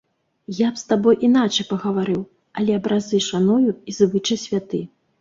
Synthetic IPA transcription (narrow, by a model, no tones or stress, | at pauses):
japst̪abɔjʔin̪at͡ʂɐjpɐɣɐvaɾɨw | ɐlʲɛɐbɾʔazɨʂanujuizvɨt͡ʂɐsʲvʲat̪ɨ